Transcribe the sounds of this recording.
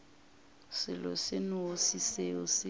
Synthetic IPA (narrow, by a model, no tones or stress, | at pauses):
sɪlɔ̰sɪnʊosiseʊsɪ